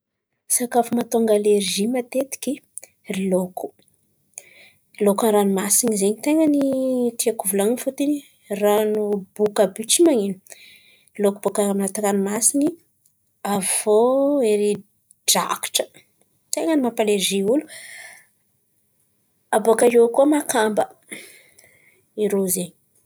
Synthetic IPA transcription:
sakafumat̪oŋɡaleɾʒimat̪et̪i̥kʲi | rilokʰu̥ | ilokanranumasinizeɲit̪eŋanitiakuvulannfut̪ini | ranubukabyt͡ʃimaŋinu | lokubokaaminat̪akanmasini | avoeɾi | ɖ͡ʐa̰ki̥ʈ͡ʂə̥ | t̪eŋənimapaleziulu | aboakajokuamakambə | iɾozeɲi

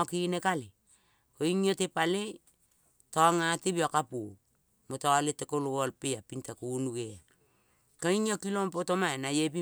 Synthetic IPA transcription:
okinekale | koiŋiotepale | toaŋatebiokapu | motoaletekoloolpeapintakunuɡea | koiŋiokilompotomaenajep̬i

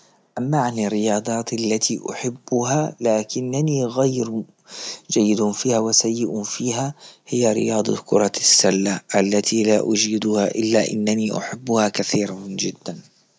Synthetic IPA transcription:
ʔamːaʕanɪrːɪjɑːd̪ˤɑːt̪ʔalːat̪ʰiʔʊ̰ħɪbːʊɦalaːkɪnːaniɣajɾ | d͡ʒajːɪd̪ʊfiːhawɪsajːɪʔʊfiːɦahɪjːaɾɪ̰jɑːd̪ˤɑ̰kʰʊ̰ɾˤɑsːalːaʔalːat̪ʰilaʔʊd͡ʒiːd̪ʊha̰ʔɪlːaʔɪ̰nːaniʔʊ̰ħɪbːʊhakaθiːɾɪnd͡ʒɪd̪ːan

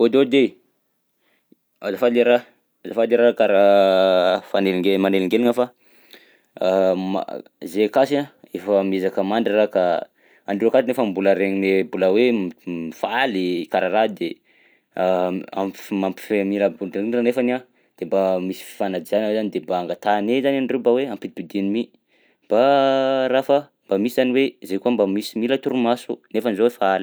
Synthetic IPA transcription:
od̪od̪e | azafaleɾa | azafaleɾakaɾa | faneliŋɡmaneliŋɡeliŋafa | ma̰ | zekasiaefamezakəmaɳɖ͡ʐiraka | aɳɖ͡ʐiakat̪inefambuləɾeɲinebuləwemifalikaɾaɾad̪e | aa̰mpi̥mampi̥femiləbuinanefana | d̪̥embamisi̥fi̥fanad͡ʒ̪izanawezanid̪embaːŋɡat̪anezanaɳɖ͡ʐebaweampibid̪inimi | b̥arafə | mbamisizaniwezekuambamisimilət̪uɾumasṵnefanzowefaali

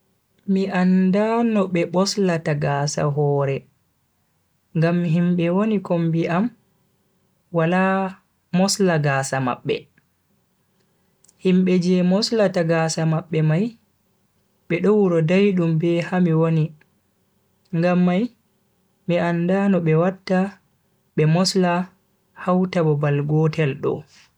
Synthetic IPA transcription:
miʔandanɔɓɛɓɔslataɡaːsa̰ɦɔːɾɛ | ŋɡamɦimɓɛwonikombiʔam | wala | mɔslaɡaːsama̰ɓːɛ̰ | himɓɛd͡ʒɛmɔslataɡasamaɓːɛmaj | ɓɛɗɔwuɾɔdajɗumbɛhamiwoni | ŋɡamːaj | miʔandanɔɓɛwatːa | ɓɛmɔsla | hawtabɔbalɡɔtɛlɗɔ̰

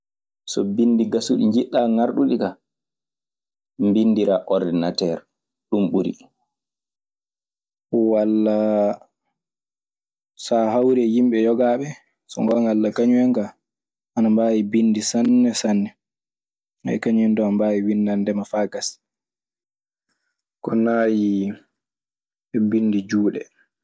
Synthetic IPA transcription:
sɔbindiɡasuɗiɲd͡ʒiɗːaŋaɾɗuɗika | mbinːdiɾaʔɔɾdɛnatɛɾ | ɗumɓuɾḭ | walːa | saɦawɾɛjimɓɛjɔɡaːɓɛ | sɔŋɡɔŋalːakaɲuwɛŋɡa | anambaːjibinːdisanːɛsanːɛ | ɛ̰kaɲuɛndɔanmbajiwinːandɛmafaɡas | kɔnaji | ɛbinːdid͡ʒuːɗɛ̰

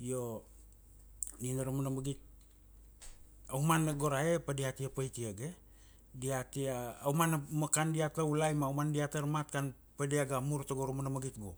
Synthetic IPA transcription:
jo | ninaɾomanamaɡit̚ | awmanːaɡoɾaepadihatiapajtiaɡe | diatiaːwmanamakandiataulajmawmandiataɾmat̚kan | padiaɡamuɾtaɡoɾomanamaɡit̚ɡo̰

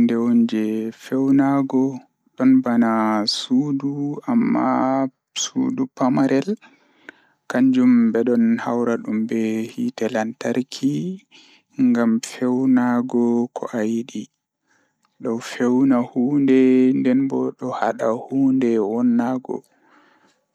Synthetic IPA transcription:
ndɛwɔnd͡ʒɛfɛwnaɡɔ | ɗɔnbanasuːduamːa | sṵdupamaɾʔɛl | kaɲd͡ʒumbɛɗɔnha̰wɾaɗumbɛhitɛlantaɾkʰi | ŋɡamfɛwnaɡɔkʰɔ̰ʔajɗi | ɗɔwfɛwnahuːndɛndɛnbɔɗɔha̰ɗahuːndɛwɔnːaɡɔ̰

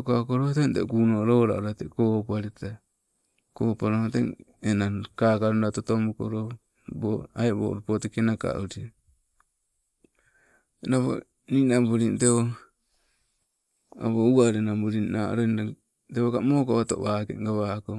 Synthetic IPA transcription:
kakoɾotentekunoɾoːɾa̰oɾatekopaɾita | koːpaɾohoteŋenakakaɾundatotomuko̰ɾo | boaebo̰ɾupotekenaka̰ʔuɾia | enaβo̰ | ninambuɾinteo | a̰βouaɾenambuɾinna̰ɾona | teβokamoːkaβato̰βaːkḛɡaβako

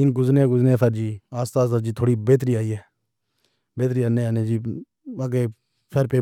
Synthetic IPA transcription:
ɪnɡʊznẽːɡʊzneːpʰəɾd͡ʒiːaːst̪aːsəd͡ʒiːt̪ʰoːɽiːbeːt̪̬ɾiːaːiːɛː | beːt̪ɾiːanẽːaːneːd͡ʒiː | aːɡeː | pʰəɾpeː

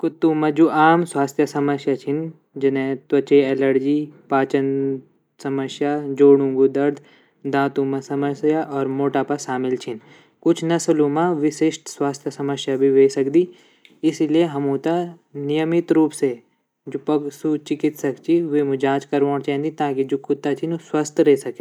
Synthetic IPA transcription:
kʊt̪ːumɐd͡ʒuʔaːmswaːst̪ʰjɐsɐməsjat͡ʃʰɪn | d͡ʒɪnẽt̪wɐt͡ʃeɛləɾd͡ʒiːpaːt͡ʃən | sɐməsjad͡ʒoːɽũŋɡud̪ɐɾd̪ | d̪ãːt̪uːmɐ̃sɐməsjaʔɔːɾmoːʈaːpasaːmɪlt͡ʃʰɪn | kʊt͡ʃʰnɐslumãʋɪʃeːʃʈswaːst̪ʰjəsɐməsjabʱiʋeːsɐkd̪i | ɪsilieɦɐmũːt̪a | nijəmɪt̪ɾuːpse | d͡ʒopɐɡsut͡ʃɪkɪt̪sɐkt͡ʃʰiʋemud͡ʒaːt͡ʃkɐɾʋõːɳt͡ʃɛ̃ɦnd̪it̪aːkid͡ʒoːkʊt̪ːat͡ʃʰinuswɐst̪ʰɾɛːsɐke

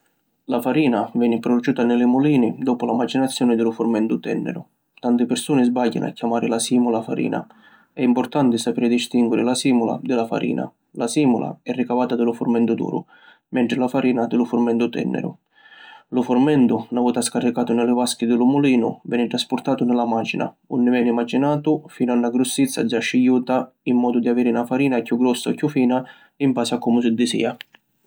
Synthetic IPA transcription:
lafaɾiːnavɛːnɪpɾɔd̪ut͡ʃuːt̪anɪlɪmuliːnɪd̪ɔːpʊlamad͡ʒinat̪sːjɔːnɪd̪ɪlʊfʊrmɛnt̪ʊt̪ɛ̰nːɪ̰ɾʊ̰ | t̪ant̪ɪpɪrsuːnɪzbaʎːa̰n̰a̰cːamaːɾɪlasiːmulafa̰ɾḭːnʔa̰ | ɛimpʊrt̪ant̪ɪsapeːɾɪd̪ist̪iŋɡwɪɾɪlasiːmula̰d̪ɪlafa̰ɾʔḭːna̰ | lasiːmula̰ɛrːikavaːt̪ad̪ɪlʊfʊrmɛnt̪ʊd̪ṵːɾʊ̰ | mɛnt̪ɾɪlafaɾiːnad̪ɪlʊfʊrmɛnt̪ʊt̪ɛ̰nːɛ̰ɾʊ̰ | lʊfʊrmɛnt̪ʊnavuːt̪askarːikaːt̪ʊnɪlɪvaskid̪ɪlʊmuliːnʊ̰vɛːnɪʈ̪ɾaspʊrt̪aːt̪ʊnɪlamad͡ʒina̰ | ṵnːɪvɛːnimad͡ʒinaːt̪ʊfiːnʊanːaɡɾʊsːit̪sːa̰d͡ʒaʃːijuːt̪a | imːɔːd̪ʊd̪iaviːɾɪnafaɾiːnakjuɡɾɔsːaɔkːjufiːna | impaːsakːumʊs̬ɪd̪ːɪsḭːa

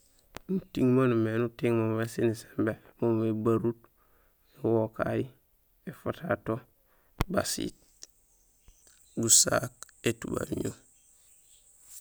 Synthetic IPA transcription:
nutiŋmanumenutiŋmommesinise̥mbemoebaɾut | ewoka̰ji | efatato | ba̰sḭt̚ | busa̰ketuba̰lɲṵ

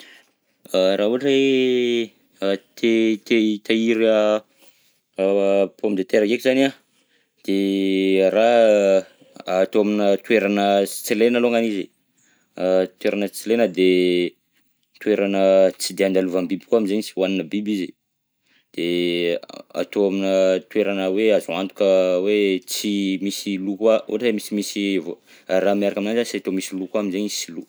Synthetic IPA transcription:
əraɦuaʈ͡ʂəe | t̪et̪et̪aiɾə | pomid̪et̪eɾakekizana | d̪̥e | ɾa | at̪oaminət̪ueɾanət͡selenaloŋanizi | t̪weɾanət͡selenəd̪e | t̪weɾanət͡sid̪eand̪aluvambibi̥kuaminzeɲsiwaninəbibizi | d̪̥e | a̰t̪oaminət̪weɾanəweazuant̪u̥kəwet͡simisilukao̰ʈ͡ʂemisimisivo | ramiaɾakaminanzasiat̪omisilukuaminzeɲisilu

